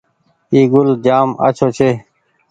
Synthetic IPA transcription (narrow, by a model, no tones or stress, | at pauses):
iːɡʊld͡ʑaːma̰t͡ɕʰoːt͡ɕʰeː